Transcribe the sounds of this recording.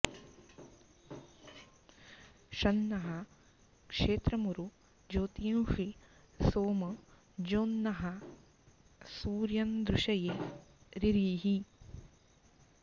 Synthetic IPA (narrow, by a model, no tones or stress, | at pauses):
ʃɐnːɐɦɐ | kʂeːt̪ɾɐmuɾu | d͡ʒoːt̪ijũːʂi | soːmɐ | d͡ʒoːnːɐɦɐ | suːɾjɐnd̪ɾuʃɐjeɾiɾiːɦi